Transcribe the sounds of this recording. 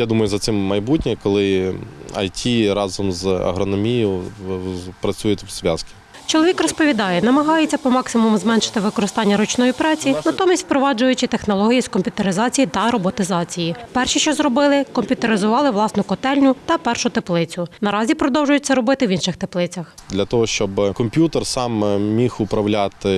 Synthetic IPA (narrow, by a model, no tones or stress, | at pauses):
jad̪umɐjʊzɐt̪sɪmːɐjbutʲnʲɪkɔlˠɪ | ɐ̰jtʲʰiɾɑzɔmzɐ̰ɦɾɔnɔmʲijʊ | pɾɐt͡sʲujɛt̪ʲʋsʋʲa̰skʲi̥ | t͡ʃɔlˠɔʋʲikrɔspɔʋʲid̪ɑjɛnɐmɐɦɑjet͡sʲːɐpɔmɑksɪmʊmzmɛnʃɪ̥t̪ɪʋɪkɔɾɪst̪ɑnʲːɐɾɔt͡ʃnɔjipɾɑt͡sʲinɐt̪ɔmʲisʲt̪ʲpɾɔʋɑd͡ʒʊjʊt͡ʃɪt̪exnɔlˠɔɦʲijiskɔmʲpʲjʊt̪eɾɪzɑt͡sʲijit̪ɐɾɔbɔt̪ɪzɑt͡sʲijipɛrʃiʃt͡ʃɔzrɔbɪlˠɪkɔmʲpʲjʊt̪eɾɪzʊʋɑlˠɪʋlˠɑsnɔkɔt̪ɛlʲnʲʊt̪ɐpɛrʃʊt̪eplˠɪt͡sʲʊnɐɾɑzʲipɾɔd̪ɔwʒʊjʊt͡sʲːɐɾɔbɪt̪ɪʋʲinʃɪxt̪eplˠɪt͡sʲɐxd̪lʲɐt̪ɔɦɔʃt͡ʃɔbkɔmʲpʲjut̪ersɑmmʲixʊpɾɐwlʲat̪ɪ